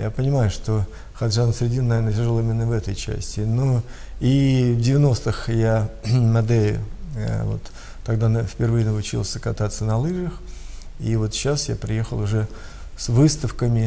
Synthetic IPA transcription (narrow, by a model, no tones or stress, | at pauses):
japənʲɪmajʊʂt̪o | xɐd̪ʐansʲɾʲɪdʲinnɐvʲernətʲɪrʐɨlˠimʲɪnːəvɛt̪əjt͡ɕæ̰sʲtʲɪno | ivdʲɪvʲɪno̞st̪ɨxjamɐd̪ɛlʲɪ̰ | vo̞̰t̪ː | ɐɡd̪anfʲpʲɪrvɨjənəʊt͡ɕḭlˠsʲəkɐt̪at̪sːənɐlˠɨʐəx | ivo̞t̪ɕasja̰pɾʲɪje̞xəlˠʊʐɛ | svɨst̪əfkəmʲɪ